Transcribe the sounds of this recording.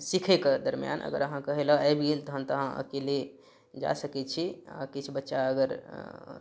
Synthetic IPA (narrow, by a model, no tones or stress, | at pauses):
sikʰɛked̪əɾmja̰nʔə̰ɡə̰ɾəɦãkəɦelaabʱɡelt̪ɔɦə̃nt̪ɔɦãə̰keli | d͡ʒa̰səkɛt͡ʃʰia̰kit͡ʃʰbətːʃaəɡəɾ